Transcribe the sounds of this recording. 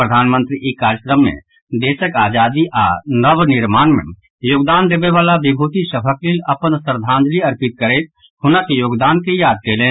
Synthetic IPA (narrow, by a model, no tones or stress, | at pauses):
pɾəd̪ʱaːnmə̃nt̪ɾiʔekaːɾjəkɾəmːḛ̃ | d̪eːsəkaːd͡ʒaːd̪iʔa̰nəʋnɪɾmaːnmḛ̃ | joːɡd̪aːnd̪eːbeʋaːlabɪbʱuːt̪isəbʱəklilɐpənsəɾd̪ʱãːnd͡ʒ̪liɐɾpɪt̪̚kəɾeːt̪̚ | hʊnakijoːɡd̪aːnkejaːd̪̚kelẽː